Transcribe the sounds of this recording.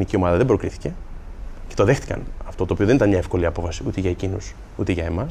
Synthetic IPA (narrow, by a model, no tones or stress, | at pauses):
nicio̞mɐðɐðe̞bɾo̞kɾiθi̥ce̞ | cet̪oðext̪i̥kɐ̰nɐft̪o̞t̪oːpioðe̞nit̪ɐnmɲɐefko̞liɐpo̞fɐsiut̪eʝɐecinos | ut̪eʝɐe̞mɐs